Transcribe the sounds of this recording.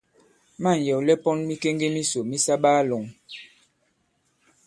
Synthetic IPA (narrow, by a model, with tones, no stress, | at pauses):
ma˦˨n˨jɛ˨wlɛ˦pɔ˦nmi˦ke˦ŋɡe˦mi˦so˨mi˦sa˦ɓaː˦lo˨ŋ